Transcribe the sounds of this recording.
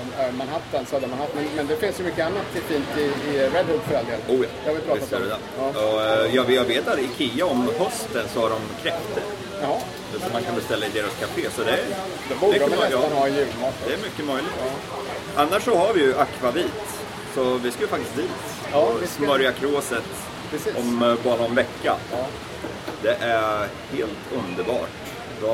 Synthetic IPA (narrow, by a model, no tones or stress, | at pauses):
æɾmanɦaft̪ːɛnsɔhad̪ɛmanhaft̪ːmɛnmɛnd̪ɛfɪnsjɵmʏkːəanːat̪ɪfiːnt̪ɪːɾɛd̪hʉd̪fœɾald̪eːluːjɑ̰ːjavɪlbt̪ɛɾɵd̪ɛnɔjɑːvjɑːɡveːt̪aɾɪkʰɪjːaɔmhœst̪ənsɔhaɖɔmkʰɾɛft̪əɾ | ɛsɔmːankʰanb̪ɛst̪ɛlːaɪd̪eːɾaskʰafeːsɔd̪ɛæɾ | d̪ɛbmʏkːəjɑjʉad̪ɛæɾmʏkːəmœjlɪɡt̪ | ʔanːaʂːɔhaɾvɪjɵʔakːvaviːt̪ | sɔvɪskajəfak̚t̪ɪst̪d̪iːt̪ | smbœɾjakʰɾoːsət̪ː | ʔɔmbɑːɾaɔnvɛkːa | d̪ɛʔæ | heːlt̪ʰɵnd̪əɾbɑ̰ːʈ | d̪ɔ